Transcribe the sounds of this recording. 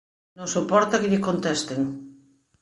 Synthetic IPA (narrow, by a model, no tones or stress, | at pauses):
nõsopɔɾt̪akeʎekont̪est̪eŋ